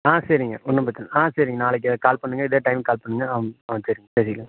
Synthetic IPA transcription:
ãːsɐɾɪŋɡɐ̰ʔɔnːɐpɐt͡ʃːɐlʔãːsɐɾɪŋɡɐnaːlɛkːɯkaːlpɐɳːɯŋɡɐɪðeːʈɐɪmkaːlpɐɳːɯŋɡɐɐʋɐsɐɾɯŋɡɐpeːsɪɡɐlɐ

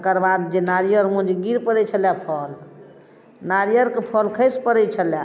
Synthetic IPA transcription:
kəɾbad̪d͡ʒenaɾijəɾmũd͡ʒeɡiɾpəɾɛt͡ʃʰəljapʰɔl | naɾijəɾkepʰɔlkʰəspəɾɛt͡ʃʰəlja

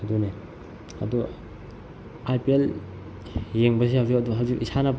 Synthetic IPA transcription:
ɐdune | ɐ̰du | ajpiel | jeŋbɐsehawzikɐduɦawzikisanab

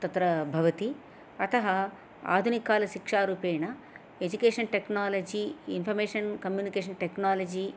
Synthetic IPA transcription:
t̪ɐt̪ɾɐbʱɐʋɐt̪i | ɐt̪ɐɦɐ | a̰ːd̪ʱunikaːlɐʃikʂaːɾuːpɛːjnɐ | ed͡ʒukeːʂɐnʈeknaːlɐd͡ʒiːnpʰɐɾmeːʂɐnkɐmjuːnikeːʃ̬ɐnʈeknaːlɐd͡ʒiː

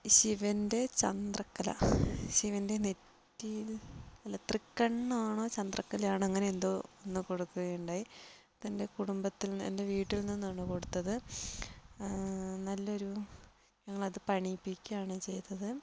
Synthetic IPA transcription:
ɕiʋɐnde̞t͡ɕɐnd̪rɐkːɐlɐ̰ɕiʋɐnde̞ne̞tː | ijilɐlːɐt̪rikːɐɳːaːɳo̞ːt͡ɕɐnd̪rɐkːɐlaːɳɐŋːɐneend̪o̞ːonːɨko̞ɽukːuɣɐjuɳɖaːji | t̪ɐnde̞kuɽumbɐt̪ːilḛnde̞ʋiːʈːilnːinːaːɳɨko̞ɽut̪ːɐðɨ | nɐlːo̞ɾu | ɲɐŋːɐɭɐðɨpɐɳipːikʲːuaːɳɨt͡ɕe̞jt̪ːɐðɨ

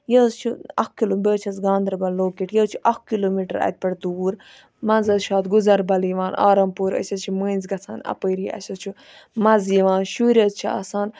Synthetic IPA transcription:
jɐzt͡ʃʰuɐkkːiloːmbeːt͡ʃʰɐsɡãːnd̪ɾbɐlːoːkiʈjɐːt͡ʃʰuʔɐkkːiloːmiːʈɐɾɐ̰t̪̚ʲpɐʈd̪uːɾ | mɐnzɐzʃaːt̪ɡuzɐɾbɐliʋaːna̰ːɾɐmpuːɾɐ̰sʲɐt͡ʃʰimə̃ːnʲzɡɐt͡sʰaːnɐ̰pəːɾiɐ̰sʲɐt͡ʃʰu | mɐziʋaːnʃuːɾʲɐzt͡ʃʰiɐ̰saːn

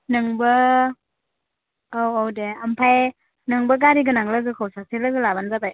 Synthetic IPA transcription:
nɯŋbɐ | owowdeampʰaj | nɯŋbɐɡaɾiɡɯnaŋlɯɡɯkʰawsak̚silɯɡɯlabanzabaj

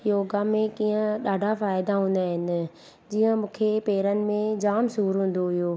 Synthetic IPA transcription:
joːɡamẽkiːə̃ɗaːɖʱafaːɪd̪aɦũːn̆d̪aːɦɪnɪ̆ | d͡ʑiːə̃mũːkʰepeːɾənɪ̆mẽd͡ʑaːmsuːɾɦũːn̆d̪oɦijoː

